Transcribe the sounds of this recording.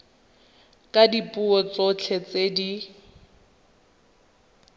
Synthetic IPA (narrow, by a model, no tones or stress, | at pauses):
kʼadipʼuɔt͡sɔt͡ɬʰɛt͡sedi